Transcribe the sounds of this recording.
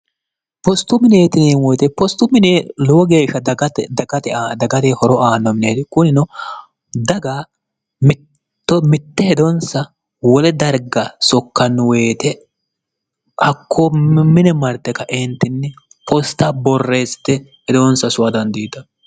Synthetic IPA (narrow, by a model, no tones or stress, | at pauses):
pɔst̪ːʊmɪneːt̪ɪneːnwɔjt̪ɛpɔst̪ːʊmɪneːloːɡeːɪʃɐd̪ɐɐt̪ɛd̪ɐɡɐt̪ehɔɾɔʔaːnːɔmɪneːt̪ɪkʊnɪnɔ | d̪ɐɡa | mɪt̪ː | ɔmɪt̪ːɛhɛd̪ɔnsɐ | wɔlɛd̪ɐɾɡɐsɔkːɐnːɔweːt̪ɛ | ʔɐkʰːomɪnɛmɐɾt̪ːɛkɐʔɛnt̪ːɪnːɛ | pʰɔst̪ːɐbɔrːeːst̪ːɛhɛd̪ɔnsɐsʊɐd̪ɐnd̪iːt̪ɐ